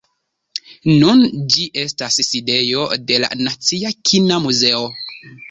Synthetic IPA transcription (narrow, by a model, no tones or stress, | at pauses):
nund͡ʒiʔe̞stasside̞jo̞de̞la̰nat͡siakʰinamuze̞o̞